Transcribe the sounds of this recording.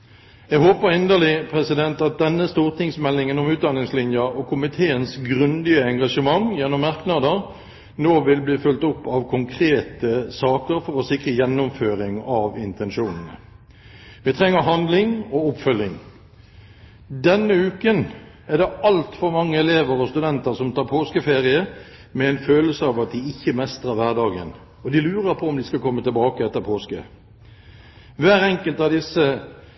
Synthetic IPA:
jɛɡhoːpəɾɪnd̪əlɪpʰʁɛsɪd̪ɛnt̪ɑt̪̚d̪ɛnːəst̪uːʁt̪ɪŋsmɛlːɪŋənɔmʉːt̪̚d̪ɑnɪŋslɪnjəɔkʰʊmɪt̪ʰeːənsɡʁʉnd̪ɪəɛŋɡɑʂəmɑŋjɛnːɔmːɑʁknɑd̪əʁ | noːʋɪlbliːfʉlt̪ʊpːɑʋkʰʊŋkʰʁeːt̪əsɑːkəɾfɔʁɔsɪkʁəjɛnːʊmføːɾɪŋɑʋɪnt̪ʰɛnʂuːnn̩ə̰ | ʋɪt̪ʰʁɛŋːəʁɦɑnd̪lɪŋɔʊpfœlːɪŋ | d̪ɛnːəʉːkən | æʁd̪ɛɑlt̪fɔɾmɑŋːəɛleːʋəʁɔst̪ʉd̪ɛnt̪əʁsɔmt̪ʰɑːʁpʰoːskəfeːʁɪə | mɛɛɪnføːləsəɑʋɑt̪̚d̪ɪɪçːəmɛst̪ʁəʁʋæʁd̪ɑːɡə̰n | ɔd̪ɪlʉːɾəɾpʰɔɔmd̪ɪskɑkʰɔmːət̪ɪlbɑːkəɛt̪ːəʁpʰoːskə̰ | ʋæːɾɛŋkəlt̪ɑʋd̪ɪsːə

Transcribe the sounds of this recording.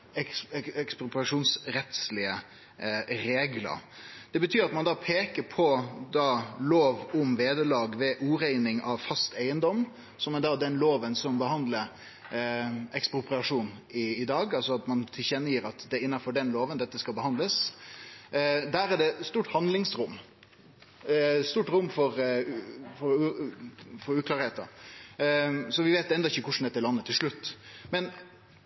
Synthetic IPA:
ɛɛkspɾʊpɪɑʂuːnsɾɛt̪slɪə | ɾeːɡlə̰ɾd̪̥ɛbət̪ʰyːɾɑt̪mɑnd̪ɑːpʰeːkəɾpʰɔd̪ɑːloːʋʊmʋeːd̪əlɑːɡʋɛʔuːɾæɪnɪŋɑʋfɑst̪æɪənd̪ɔm | sɔmɛd̪ɑːd̪ɛnloːʋənsɔmbəɦɑnd̪ləɾ | ɛkspɾʊpɾɪɑʂuːnɪːd̪ɑːɡɑlsɔɑt̪mɑnt̪ʰɪlçɛnːəjiːɾɑt̪d̪ɛɪnːɑfɔɖɛnloːʋənd̪ɛt̪ːəskɑlbəhɑnd̪əs | d̪æːɾæɖɛst̪uːʈhɑnlɪŋsɾʊmː | st̪uːʈɾʊmːfɔɾ | fɔɾ | fɔɾʉːklɑːɾheːt̪ɑ̰ | sɔʋɪʋeːt̪ɛnd̪ɔɪçːəkʊʂn̩d̪ɛt̪ːəlɑnːət̪ʰɪlʂɭʉt̪ːmɛn

